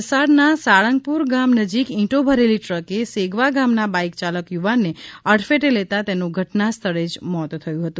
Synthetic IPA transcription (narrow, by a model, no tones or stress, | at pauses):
saɽnasaɭə̃ŋɡ̚puɾɡamnəd͡ʒikĩʈobʱəɾeliʈɾəkeseɡʱʋaɡamnabaikt͡ʃaləkjuʋanːeəɽfeʈelet̪at̪enuɡʱəʈnast̪ʰəɭed͡ʒmɔt̪t̪ʰəjũɦət̪ũ